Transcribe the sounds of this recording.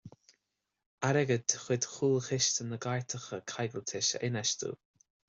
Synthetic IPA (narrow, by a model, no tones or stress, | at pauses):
aɾɛɡət̪ʰəxwɪd̪xuːlxɪʃt̪ʰənəɡaɹt̪ʰəxəkʰajɡəlt̪ʰɪʃə̰ʔɪnɛʃt̪ṵː